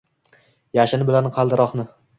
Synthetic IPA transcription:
jaʃɪnɪbɪlanqʰɑlˠd̪ɪɾɒχnɪ

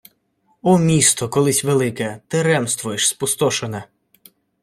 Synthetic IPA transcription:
ɔmʲist̪ɔkɔlˠɪsʲʋelˠɪkɛt̪ɪɾɛmst̪ʋʊjɪʃspʊst̪ɔʃonɛ

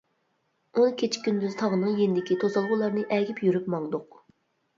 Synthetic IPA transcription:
unɨkʲʰet͡ʃʰkʲynd̪yzt̪ʰɑʁənɨŋjenɪd̪ɪkʲit̪ʰozɑlˠʁʊlˠɑɾnɨʔɛɡʲipjyɾypmɑŋd̪ʊq

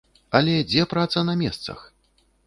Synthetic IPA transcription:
ɐlʲɛd͡zʲɛpɾat̪sɐnɐmʲɛst̪sɐ̰x

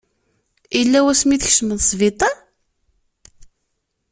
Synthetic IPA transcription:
ilːæwæsmiθəç̥ʃməðsˤvit̪ˤɑ

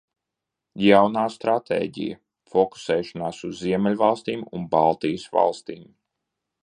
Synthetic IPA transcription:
jawnaːst̪ɾat̪ḛːɟḭja̰ | fɔku̥sɛːʃɔnaːsuzːiɛmʲɛlʲvalˠst̪iːmṵnbalˠt̪ijəsʋa̰lˠst̪iːm

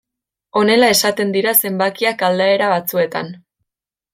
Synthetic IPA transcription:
o̞ne̞lae̞sat̪e̞nd̪iɾase̞mbakiakald̪ae̞ɾaβat͡sue̞t̪a̰n

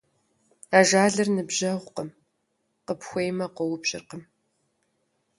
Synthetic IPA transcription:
aːʒaːɮɨrnɨbʑɐʁʷqəm | qəpxʷejmɐqəwʊpɕʼɪ̰rqəm

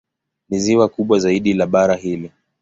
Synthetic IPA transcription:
niziwakuɓwazaiɗilaɓaɾaɦilɛ

